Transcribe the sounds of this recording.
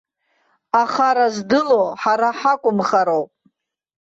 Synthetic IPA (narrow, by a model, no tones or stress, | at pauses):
aχaɾazdɨloħaɾaħakʷʼʊmχaɾowpʼ